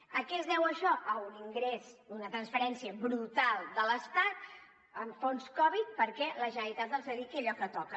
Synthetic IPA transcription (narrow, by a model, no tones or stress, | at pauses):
əkɛzðɛwəʃɔʔəuniŋɡɾezunət̪ɾənsfəɾɛnsiəβɾut̪alˠd̪ələst̪at̪̚ | əɱfonskɔβit̪̚pəɾkɛləʒənəɾit̪at̪əlˠzðəðikiəʎɔkət̪ɔkə